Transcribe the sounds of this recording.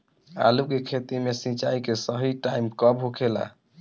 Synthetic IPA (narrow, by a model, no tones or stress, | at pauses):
a̰lukekʰet̪imesĩt͡ʃaikesəɦiʈaimkəbɦokʰela̰